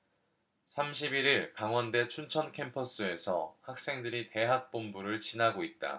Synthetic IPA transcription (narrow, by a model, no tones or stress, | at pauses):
sʰamɕ̬ʰibiɾiɭkaŋwʌnde̞t͡ɕʰunt͡ɕʰʌnkʰe̞mpʰʌs͈ɯe̞sʰʌ̰hak̚s͈e̞ŋdɯɾite̞ɦak̚p͈ombuɾɯɭt͡ɕinaɡoit̚t͈a̰